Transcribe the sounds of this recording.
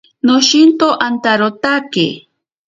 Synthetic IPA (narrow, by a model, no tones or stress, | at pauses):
noʃint̪oʔant̪aɾot̪akḛ